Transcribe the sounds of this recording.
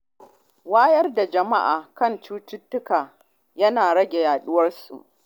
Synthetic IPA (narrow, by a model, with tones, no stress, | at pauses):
waː˦jɐ˦rda˨d͡ʒɐ˨ma˦ʔa̰ː˨kɐ˦˨nt͡ʃuː˦tʊ˦tːʊ˦kaː˨ | jɐ˦naː˨ɽɐ˦ɡʲe˨jaː˨ɗʊ˦wɐ˦rsṵ˨ʔ